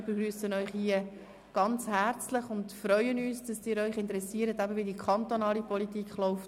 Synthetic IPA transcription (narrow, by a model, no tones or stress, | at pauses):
beɡɾyːsənœʏχhiə | ɡ̥ɑnt͡shæɾt͡slɪχʊndfɾœʏənyːsd̥ɑsɪːɾœʏχɪntəɾɛsiːɾətæbəʋɪdikχɑntonɑːlipɔlitiːkχlɔʊft